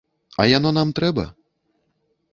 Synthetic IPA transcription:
a̰janɔnamt̪ɾɛbɐ̰

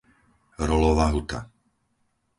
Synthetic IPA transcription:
ɾɔlɔʋaɦut̪a̰

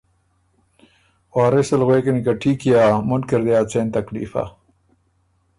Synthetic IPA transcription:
waːɾesɐlɣwekɐnikaʈʰiːkijaːmunkeɾd̪ejat͡seːnt̪ɐklḭːfa̰

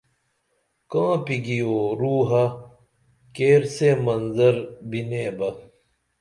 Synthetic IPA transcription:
kãːpiɡijoːɾuːɦɐ | keːɾsemɐnzɐɾbineːbɐ

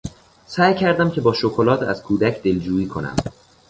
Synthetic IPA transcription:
sæːjcʰæɾd̪æmcʰe̞bɒːʃokʰo̞lɒːt̪ʰæ̰z̥kʰuːd̪æcʰd̪e̞ld͡ʒuːiːkʰo̞næ̰m

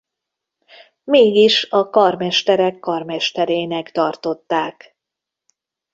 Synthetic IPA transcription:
meːɡiʃɒkɒrmɛʃt̪ɛɾɛkːɒrmɛʃt̪ɛɾeːnɛkt̪ɒrt̪o̞t̪ːaːk

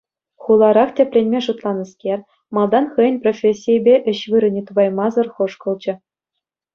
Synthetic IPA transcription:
χulˠɑɾɑχtʲĕpʲlʲenʲmʲeʐut̪lˠɑnɤ̆skʲerʲ | mɑlˠd̪ɑnχɯjə̆nʲprofʲesʲːijbʲeʔɘ̆ɕʋɯɾɤ̆nʲet̪ubɑjmɑzɤ̆rχɤ̆ʂkɤ̆lˠd͡ʑɘ̆

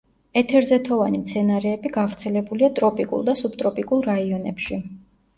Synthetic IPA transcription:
ɛt̪ʰɛɾzɛt̪ʰɔvanimt̪sʰɛnaɾɛːbiɡavɾt̪sʰɛlɛbuliat̪ʼɾɔpʼikʼṵlˠd̪asub̥t̪ʼɾɔpʼikʼulˠɾaiɔnɛ̰pʃi

